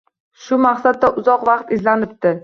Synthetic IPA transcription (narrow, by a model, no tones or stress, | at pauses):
ʃʊmaqsad̪̚ːaʔʊzɒqvɑqt̪ɪzlanɪp̚d̪ɪ